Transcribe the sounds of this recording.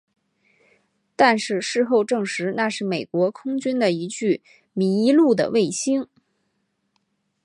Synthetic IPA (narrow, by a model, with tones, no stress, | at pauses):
t̪a˥˧nʂɻ̩˥˧ʂɻ̩˥˧xo˥˧ʊʈ͡ʂɤ˥˩ŋʂɻ̩˧˥na˥˧ʂɻ̩˥˩me˨˩ɪkwɔ˧˥kʰʊ˥ŋt͡ɕy˥nd̪ə˨i˧˥t͡ɕy˥˩ | mi˧˥i˧˥lu˥˩d̪ə̰˩we˥˩ɪɕi˥ŋ